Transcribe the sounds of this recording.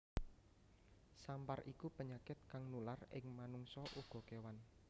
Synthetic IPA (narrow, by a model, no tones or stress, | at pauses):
samparʔikupəɲakɪt̪̚kaŋnularɪŋmanuŋsɔʔuɡ̥ɔ̤kewan